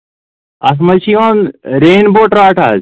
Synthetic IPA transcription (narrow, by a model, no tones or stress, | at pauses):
ɐs̬mɐt͡ʃʰijoːnɾeːnboːʈɾaːʈʰa̰ːz